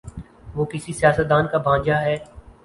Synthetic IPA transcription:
ʋoːkɪsisijaːsət̪̚d̪aːnkabʱãːd͡ʒaɦɛː

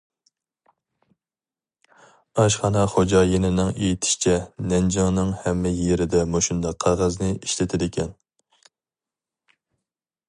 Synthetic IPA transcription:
ɑʃ̬χɑnɑχod͡ʒɑjenɪnɪŋejit̪ʰɪ̥ʃt͡ʃʰɛnɛnd͡ʒɑŋnɨŋhɛmːɪjeɾɪd̪ɛmoʃund̪ɑqʰːɑʁɑznɪiʃlɪt̪ʰɪd̪ɪkʲʰɛn

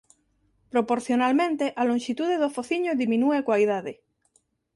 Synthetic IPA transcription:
pɾopoɾθjonalmẽnt̪eʔalõŋʃit̪uðeðofoθiɲoðimĩnuekwajðaðe

